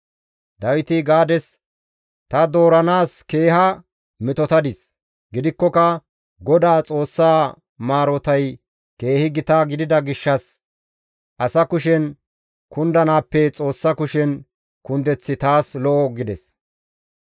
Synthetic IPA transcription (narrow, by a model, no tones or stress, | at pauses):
d̪ɐwɪt̪ɪɡaːd̪ɛs | t̪ɐd̪oːɾɐnaːske̞ːɦɐ | mɪt̪ɔt̪ɐd̪ɪs | ɡɪd̪ɪkːɔkɐ | ɡɔd̪aːt͡sʼo̞ːsːaː | maːɾɔt̪ɐj | ke̞ːhɪɡɪt̪aːɡɪd̪ɪd̪ɐɡɪʃːɐs | ʔɐsɐkʊʃɛn | kʊnd̪ɐnaːpːɛt͡sʼo̞ːsːɐkʊʃɛn | kʊnd̪ɛt͡sːɪt̪aːslɔʔɔɡɪd̪ɛs